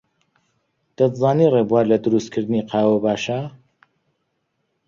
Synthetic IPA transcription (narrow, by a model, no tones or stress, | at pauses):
d̪̥ɐt̪zaːnirebuwaːɾlɐd̪ɨɾust̪̚kʰɨɾd̪ɨniqʰɑːwɐbaːʃa